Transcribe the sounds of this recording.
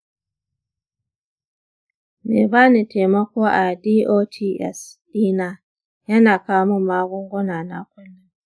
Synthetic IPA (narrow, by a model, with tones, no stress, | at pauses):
mḛ˨ba˦ne˨te˨ma˦ko˦ʔa˨diː˦ʔo˦tʰi˦ʔɛ̰˨sd̥iː˦na˦ | ja˦naː˨kaː˨mu˦maː˦ɡɔ˦ŋɡɔ˦na˨na̰˦kʷʊ˦nːa˦ŋ